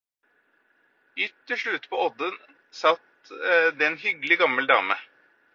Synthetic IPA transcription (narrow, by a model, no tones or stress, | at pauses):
ʏt̪ːɪʂɭʉt̪ːpʰɔɔd̪ən | sɑt̪ | d̪ɛnhʏɡəlɪɡɑməld̪ɑ̰ːmə